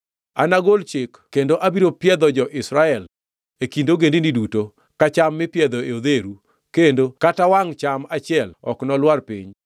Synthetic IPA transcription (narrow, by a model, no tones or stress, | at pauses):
anaɡolt͡ʃɪkkːendoʔabiɾopjɛd̪ɔd͡ʒɔʔɪsɾaɛl | ekindoɡendiniduto | kat͡ʃamːɪpjɛd̪ɔeod̪eɾu | kendokatawaŋt͡ʃamat͡ʃɪɛlɔ̰knɔlwarpḭɲ